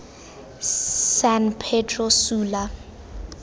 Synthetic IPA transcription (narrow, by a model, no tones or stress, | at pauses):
sanpʰɛtʰʼrɔsuːla